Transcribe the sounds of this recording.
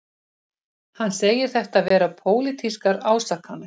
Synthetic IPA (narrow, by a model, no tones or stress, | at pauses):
hanːseːjɪɾ̥θɛht̪aðvɛːɾapʰoːwlɪt̪ʰiskaɾaːwsakhanːʏ